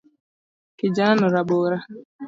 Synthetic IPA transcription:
kɪd͡ʒaanʊɾaɡ͡bʊɾa

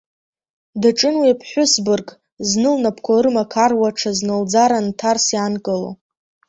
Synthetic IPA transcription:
daʈ͡ʂʼɨnwiapʰħʷʊsbɨrkʼ | znɨlnapʰkʷʰarmakʰarwaʈ͡ʂʰaznɨld͡zaɾantʰarsjankʼɨlo̰

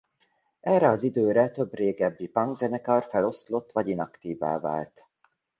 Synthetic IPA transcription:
ɛrɛɒzid̪øːɾɛt̪ø̞breːɡɛbːipɒŋɡzɛnɛkɒrfɛlo̞slo̞t̪ːʋɒɟinɒkt̪iːva̰ːva̰ːlt̪

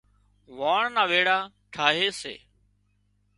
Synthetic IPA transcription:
ʋaːɳnaːʋeːɽaː | ʈʰaːɦeːsḛː

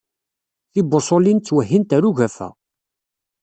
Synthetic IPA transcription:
θibosˤolint͡sːwəɦːint̪æɾuʝæfæ̰

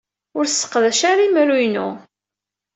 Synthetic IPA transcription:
ʊɾsːə̥qːðæʃaɾimɾujnṵ

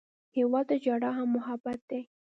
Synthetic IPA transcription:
hewɑd̪əd͡ʒɑɽɑɦamːʊɦabat̪̚d̪e

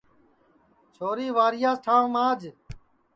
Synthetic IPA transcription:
t͡ʃʰoːɾiːʋaːɾɪjaːsʈʰãːʋmãːd͡ʒ

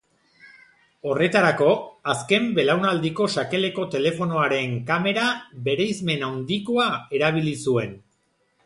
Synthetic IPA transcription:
o̞re̞t̪aɾako̞aske̞mbe̞lawnald̪iko̞ʃake̞le̞ko̞t̪e̞le̞fo̞no̞aɾe̞ŋkame̞ɾaβe̞ɾe̞jzme̞nawnd̪iko̞ae̞ɾaβ̞ilisue̞n

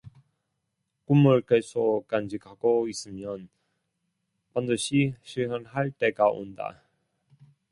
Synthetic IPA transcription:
kumuɭkesʰok͈and͡ʑikʰaɡ̥ois͈ɯmjʌn | pandɯɕʰiɕʰiɭɦʌnɦaɭt͈e̞ɡao̰nda̰

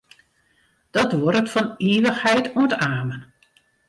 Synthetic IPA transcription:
d̥ɔtʋɔɾətfɔneːʋəxhɛjtuəntaːmən

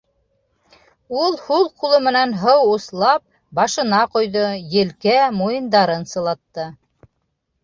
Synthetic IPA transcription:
ulˠhulˠqulˠɤmɘ̆nænɦɤwuslˠɑp̚ | bɑʃɤ̆nɑqŏjðojɘ̆lkæmujɤ̆nd̪ɑɾɤnsɤ̆lˠɑt̪ːɤ

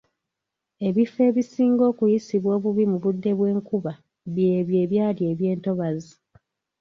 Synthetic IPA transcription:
e̞βife̞ːβisiːŋɡo̞ːkujisiβwo̞ːβuβimuβudːe̞βwe̞ːŋkuβa | βjeːβje̞ːβjaːlie̞ːβje̞ːnto̞βazi

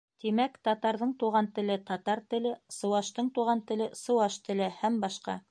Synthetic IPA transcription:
t̪imækt̪ɑt̪ɑɾðɤɴt̪uʁɑnt̪ɘ̆lɘt̪ɑt̪ɑɾt̪ɘ̆lɘsɤ̆wɑʃt̪ɤɴt̪uʁɑnt̪ɘ̆lɘsɤ̆wɑʃt̪ɘ̆lɘhæmbɑʃqɑ̰

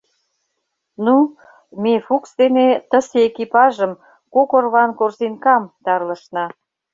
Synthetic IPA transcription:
nu | mefuksd̪enet̪ə̆sekipɑʒəm | kokorβɑnkorsinkɑmt̪ɑrlə̆ʃnɑ

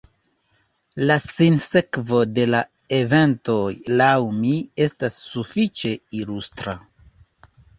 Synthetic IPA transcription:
lasinse̞kvo̞de̞la | e̞ve̞nto̞jlawmie̞stasːufit͡ʃe̞ilustɾa̰

